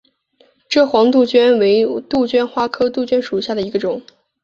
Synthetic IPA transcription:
ʈ͡ʂɤ˥˩xwɑ˧˥ŋt̪u˥˧t͡ɕɥɛ˥nwe˧˥ɪt̪u˥˩t͡ɕɥɛ˥nxwa˥kʰɤ˥t̪u˥˩t͡ɕɥɛ˥nʂu˨˩ɕja˥˩d̪ə˩i˧˥ɡə˧ʈ͡ʂʊ˨˩˦ŋ

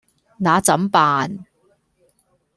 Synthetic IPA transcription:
naː˨˧t͡sɐ˨˥mpaː˨n

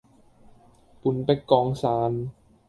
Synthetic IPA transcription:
pu˨˦npa˧jkɔː˧ŋsaː˨˧˦n

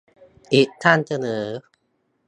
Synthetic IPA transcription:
ʔi˨˩t̪ʰa˥˩nsa˧nɤː˩˦

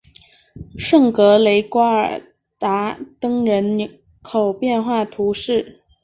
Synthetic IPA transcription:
ʂɤ˥˩ŋkɤ˧˥le˧˥ɪkwa˥ə̰˞˨˩ | t̪a˧˥t̪ɤ˥ŋɻə˧˥n | kʰo˨˩ʊpjɛ˥˧nxwa˥˩t̪ʰu˧˥ʂɻ̩˥˩

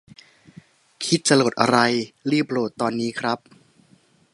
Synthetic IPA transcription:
kʰi˦˥t̪̚t͡ɕa˧lo˨˩t̪ʔa̰˧ɾa˧jɾiː˥˩p̚ɾoː˨˩t̪ːɔː˧nːiː˦˥kʰɾa˦˥p̚

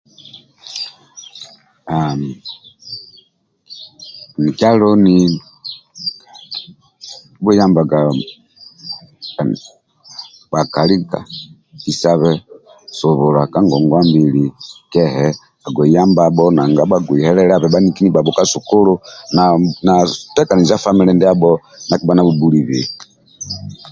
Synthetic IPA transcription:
a˨m˨ | ni˨kja˦lɔ˦ni˦ | bu˦ja˦mba˨ɡa˨ | ba˨ka˨li˦ka̰˨ | i˦sa˦βɛ | su˨βu˨la˨ka˦ŋɡɔ˨ŋɡwa˦mbi˦likɛ˦hɛ | a˨ɡwɛ˨ja˦mbaɓɔ˦na˨ŋɡa˦ɓa˦ɡwi˨hɛ˦lɛ˦ɾa˦˨βɛ˨ɓa˦ni˦ki˦ni˦ba˨bɔ˨ka˦su˨ku˦lu˦nana˨tɛ˦ka˨ni˨za˦fa˦mi˦lɛ˦ndɛ˦a˦bɔ | na˨ki˦ba˦na˦βu˨bu˦li˨βḭ˨

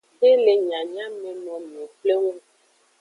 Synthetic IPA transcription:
e˦le˨ɲã˨ɲã˦mẽ˨nɔ̃˨mẽ˨k͡ple˦ŋũ˦

